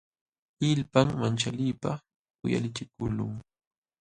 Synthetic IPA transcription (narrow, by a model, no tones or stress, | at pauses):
ɪlpaŋmant͡ʃaliːpa | kʊja̰lɪt͡ʃɪkʊlʊŋ